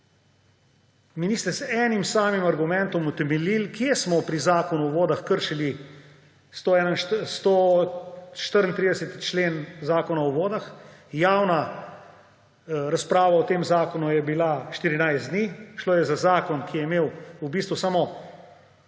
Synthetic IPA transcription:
miniːst̪ɛsɛːnimsaːmimaɾɡumɛnt̪ɔmut̪ɛmɛlilkjesmɔpɾizaːkɔnuɔʋoːd̪axkəɾʃili | st̪oɛːnaʃst̪o | ʃt̪əɾnt̪ɾiːd̪ɛsɛt̪t͡ʃleːnzaːkɔnaɔʋoːd̪axjaːwna | ɾaspɾaːʋaɔt̪eːmzaːkɔnujɛbilaʃt̪iɾinajzd̪niːʃloːjɛzazaːkɔnkijɛimeːwubiːst̪ʋusaːmɔ

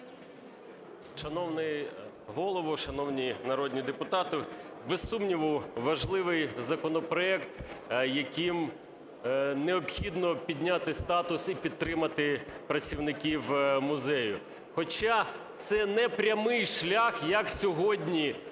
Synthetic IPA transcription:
ʃɐnɔwnɪ | ɦɔlˠɔʋʊʃɐnɔwnʲinɐɾɔd̪ʲnʲid̪epʊt̪ɑt̪ɪ | besːumnʲiʋʊʋɐʒlˠɪʋɪjzɐkɔnɔpɾɔɛkt̪jɐkʲim | neɔpxʲid̪nɔpʲid̪ʲnʲat̪ɪst̪ɑt̪ʊsipʲid̪̚t̪ːɾɪmɐt̪ɪpɾɐt͡sʲiwnɪkʲiwmʊzɛjʊ | xɔt͡ʃat̪sɛnɛpɾʲɐmɪjʃlʲaxjɐksʲɔɦɔd̪ʲnʲi

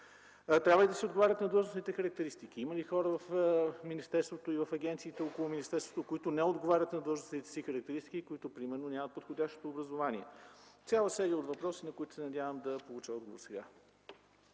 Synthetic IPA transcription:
t̪ɾʲabvəlid̪ɐsɛod̪ɡovaɾʲət̪nɐd̪əlˠʒnosnit̪ɛxəɾək̚t̪ɛɾist̪ikiiməlixɔɾəvɐfminist̪ɛɾst̪vot̪oivɐfɐɡɛnt̪siːt̪ɛokolˠʊminist̪ɛɾst̪vot̪okoit̪ʊnɛod̪ɡovaɾʲət̪nɐd̪əʒnosnit̪ɛ̥sixəɾɐkt̪ɛɾist̪i̥kʲikoit̪opɾimɛɾnoʊnʲamət̪̚pot̪xodʲaʃt̪o̥t̪oːbɾɐzovaniɛt̪sʲjalˠəsɛɾiəod̪vɐpɾɔsinɐkoʊit̪ʊ̥sɛnɐd̪ʲavəmd̪ɐpolˠut͡ʃəɔd̪ɡovo̰ɾsɛɡa

